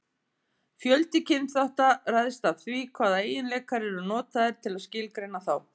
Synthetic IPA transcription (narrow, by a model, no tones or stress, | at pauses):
fjœlt̪ɪcʰɪnθawht̪araːjðɪst̪avθvikʰvaːðaeːjɪnlɛkaɾɛɾʏnɔːt̪aðɪɾ̥t̪ʰɪlaðscɪlkɾejnːaθaw